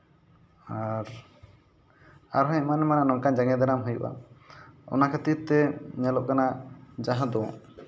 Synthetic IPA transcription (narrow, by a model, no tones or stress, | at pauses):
aɾ | aɾɦɔ̃manɛmananɔŋkand͡ʒaŋɛd̪aɾamɦujṵʔa̰ | ɔ̰nakʰət̪it̪ːɛɲalɔʔ̚kanad͡ʒaɦãd̪ɔɔ̰̃